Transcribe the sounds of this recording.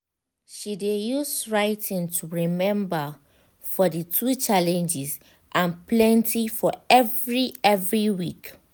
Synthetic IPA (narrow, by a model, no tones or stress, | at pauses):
ʃidejusɹaɪtʰĩntʰuɹimɛ̃mbə | fɔdətʰut͡ʃalɛ̃nd͡ʒis | ʔãnplɛ̃ntʰifɔɛvɹiɛvɹiwik